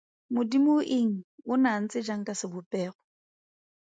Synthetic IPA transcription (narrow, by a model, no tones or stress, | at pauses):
mʊdimoʔɪŋ̩ʊnan̩t͡sʼɪd͡ʒaŋ̩kʼasɪbʊpʼɛːχɔ